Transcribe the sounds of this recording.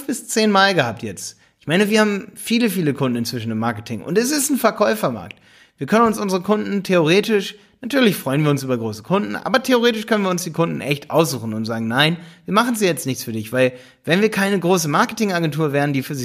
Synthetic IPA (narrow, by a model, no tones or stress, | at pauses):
fb̥ɪst͡seːnmaːlɡəhaːp̚tjɛt͡st | ʔɪçmaɪnəviːɐhaːbm̩fiːləfiːləkʰʊndn̩ɪnt͡ssv̥ɪʃn̩ɪmːaɐkətʰɪŋʔʊ̰ntɛs̬ɪstn̩fɛɐkʰɔʏfɐma̰ɐkt | v̥iːɐkʰœnənʊnsʔʊnzəʁəkʰʊndn̩tʰeoʁ̞eːtɪʃ | natʰyːɐlɪçfʁ̥ɔʏənviːɐʊnsʔyːbɐɡʁoːsə̥kʰʊndn̩ʔa̰ːbɐtʰeoʁeːtɪʃkʰœnənviːɐʊnsd̥iːkʰʊndn̩ʔɛçtʔa̰ʊszuːxn̩ʊntz̥aːɡŋ̩naɪnviːɐmaχn̩ziːjɛt͡stnɪçt͡sfyːɐdɪçv̥aɪl | vɛnviːɐkʰaɪnəɡʁoːsəmaɐkətɪŋaɡɛntʰuːɐveːɐn̩diːfyːɐzɪ